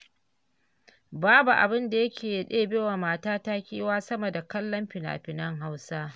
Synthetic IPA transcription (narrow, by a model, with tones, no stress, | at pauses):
baː˦bu˨ʔa̰˨bɪ˦nda˨jɐ˦kʲeː˨jɗeː˦beː˦waː˨maː˦taː˦ta˦kʲiː˦waː˦sɐ˦mɐ˨da˨kɐ˦lːɐ˦mɸɪ˨na̰ː˨ɸɪ˨nɐ˦ŋɦa˦wsaː˦